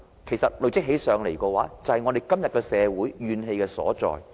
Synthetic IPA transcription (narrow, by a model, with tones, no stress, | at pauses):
kʰe˨˩jsɐ˨t̚lɵ˨ɥt͡sɪ˥k̚ɦe˨˥jsœː˨˧ŋle˨˩jkɔː˧waː˨˥t͡sɐ˨˧hɐ˨jŋɔː˨˧de˨jkɐ˥mjɐ˨t̚kɛ˧sɛː˨˧wuː˨˥jːyː˨˧nɦe˧jkɛː˧sɔ̰ː˨˥t͡sɔ̰ː˨j